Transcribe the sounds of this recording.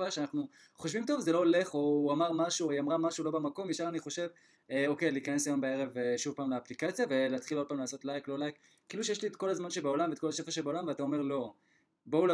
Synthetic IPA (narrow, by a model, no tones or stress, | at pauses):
aʃeanaχnu | χoʃvimto̞vzelo̞le̞χo̞uamaʁmaʃujamʁamaʃulo̞bemako̞mjeʃaʁaniχo̞ʃe̞v | eo̞ke̞jliːkane̞sajo̞mbee̞ʁe̞veʃuvpaːmlaːplikat͡sjave̞leːtχilo̞d̚paːmlaːso̞tlajklo̞lajkː | iiluʃejeʃliet̪̚ko̞lazmanʃebao̞lamveːt̪kolaʃe̞faʃebaolamveatao̞me̞ʁlo̞ | bo̞ula